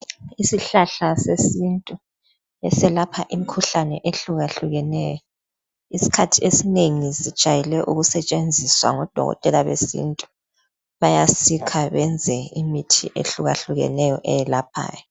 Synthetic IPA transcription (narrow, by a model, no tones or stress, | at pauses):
isiɬaɬasesintʼu | ɛsɛlapʰaʔimikʰuɬanɛʔeɬuɣaɬuɣɛnɛːjɔ | isi̥kʰatʰiesineŋisid̥ʒ̥ʱajɛlɛʔuɣusɛt͡ʃʼend͡zʱiswa̰ŋɔd̥ʱɔ̰ɣɔ̰tʼɛlaβḛsḭntʼu̥ | βajasikʰaβɛnd͡zʱɛimitʰiʔḛɬuɣa̰ɬuɣɛ̰nɛjɔʔɛjɛlap̚ʰa̰ːjɔ